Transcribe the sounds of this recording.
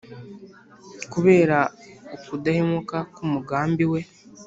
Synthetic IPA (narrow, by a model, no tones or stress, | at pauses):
kuβe̞ːɾaukudahemukakumuɡaːmbiwe